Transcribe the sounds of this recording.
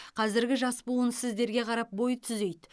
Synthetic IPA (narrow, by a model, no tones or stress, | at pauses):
qʰɑzɪɾɡʲɪʒɑspuənsɪzd̪e̞ɾɡʲe̞qʰɑɾɑp̚bo̞jt̪ʰʏze̞jd̪